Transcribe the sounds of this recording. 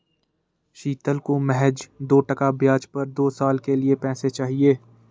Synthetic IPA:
ʃiːt̪əlkomɛɦɛd͡ʒd̪oːʈɐkabjaːd͡ʒpɐɾd̪oːsaːlkeliepɛ̃ːset͡ʃaːɦieː

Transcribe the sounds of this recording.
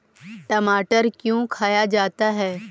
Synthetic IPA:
ʈɐmaːʈəɾkjũkʰaːjad͡ʒaːt̪aɦɛː

